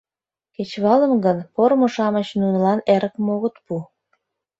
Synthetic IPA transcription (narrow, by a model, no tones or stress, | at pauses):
ket͡ɕβɑləmɡənpoɾmoʃɑmət͡ɕnunəlɑneɾəkmoɣət̪pu